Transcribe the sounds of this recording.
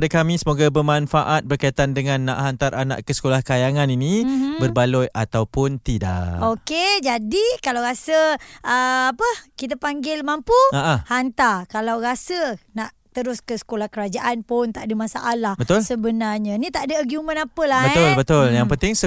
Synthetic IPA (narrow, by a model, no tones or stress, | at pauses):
dakamĩsəmoɡabəmanfaʔat̪̚bərkait̪andəŋanːa̰ʔhant̪aɾʔana̰ʔkəsə̥kolahkajaŋaninĩbərbalɔjat̪awpʊnt̪ida̰oked͡ʒadikalawɾasəəapəkit̪̬apaŋɡɪlmampuaʔahant̪arkalawɾasənaʔt̪əɾʊskəsə̥kolahkəɾad͡ʒaʔanpʊnt̪aʔdəmasaʔalahbət̪ʊlsəbənarɲə̃nĩt̪aʔdəəɡumə̃napəlahbəɛʊlbət̪ʊljaŋpənt̪ɪŋsə